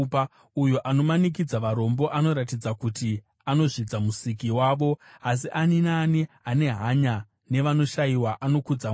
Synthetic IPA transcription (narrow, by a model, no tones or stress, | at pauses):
ujoʔano̞manik̬id͡zaʋaɾo̞mbo̞ʔano̞ɾatid͡zakuti | ano̞ʐid͡zamusikiwaːʋo̞as̬iʔaninaːni | ane̞ɦaɲa | ne̞ʋano̞ʃajiwaʔano̞kud͡za